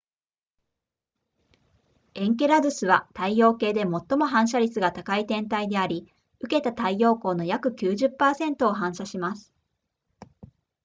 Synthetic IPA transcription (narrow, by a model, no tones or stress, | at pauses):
ẽ̞ŋke̞ɾad̪ɯ̟sɨβat̪aijo̞ːke̞ːd̪e̞mo̞t̪ːo̞mo̞ɦãɰ̃ɕ̬aɾʲit͡sɨɡat̪akait̪ẽ̞nt̪aid̪e̞aɾʲi | ɯ̟ke̞t̪at̪aijo̞ːko̞ːno̞jakɯ̟kʲɨːʑɨpːaːsẽ̞nt̪o̞ːɦãɕaɕimasɨ̥